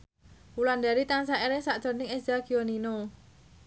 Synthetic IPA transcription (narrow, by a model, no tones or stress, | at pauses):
uland̪aɾit̪aŋsaʔeɾɪŋsaʔd̥ʒ̥ɔ̤nɪŋezaɡ̥ionino